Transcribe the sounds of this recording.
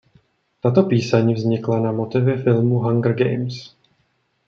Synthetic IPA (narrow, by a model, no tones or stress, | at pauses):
t̪at̪o̞piːsaɲivzɲɪklanamo̞t̪ɪvjɛfɪlmuɦaŋɡr̩ɡɛ̰jms